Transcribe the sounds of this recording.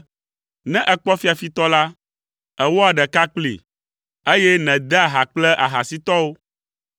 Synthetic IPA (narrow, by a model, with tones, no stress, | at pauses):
nɛ̃˦ʔɛ˨k͡pɔ˦fi˦a˨fi˦t̪ɔ˦la˦ | ɛ˨wɔ˦a˨ɖɛ˨ka˦k͡plḭ˨ | e˦jɛ˦nɛ̃˨d̪ɛ˦a˨ɦa˨k͡plɛ˦ʔa˨ɦa˨si˦t̪ɔ˦wo˦